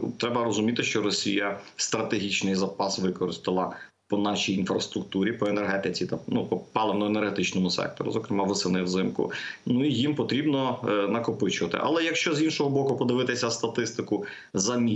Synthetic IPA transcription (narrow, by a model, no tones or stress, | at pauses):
t̪ɾɛbɐɾɔzʊmʲit̪ɪʃt͡ʃɔɾɔsʲijɐst̪ɾɐt̪eɦʲit͡ʃnɪjzɐpɑsʋɪkɔɾɪst̪ɪlˠɐ | pɔnɑʃijinfɾɐst̪ɾʊk̚t̪uɾʲipɔenerɦɛt̪ɪt͡sʲit̪ɐnupɔpɑlˠenɔenerɦet̪ɪt͡ʃnɔmʊsɛ̰k̚t̪ɔ̰ɾʊ̰zɔkɾemɑʋɪsɪnɪwzɪmkʊ̰nuijimpɔt̪ɾʲibnɔnɐkɔpɪt͡ʃʊʋɐt̪ɪ̰ʔɐ̰lˠɛjɐkʃt͡ʃɔzinʃɔɦɔbɔkʊpɔd̪ɪʋɪt̪ɪsʲɐst̪ɐt̪ɪst̪ɪkʊ | zɐmʲi